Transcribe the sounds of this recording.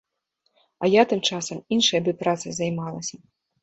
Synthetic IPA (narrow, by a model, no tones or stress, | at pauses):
ɐjat̪ɨmt͡ʂasɐminʂɐjɐbɨpɾat̪sɨzɐjmalˠɐsʲɐ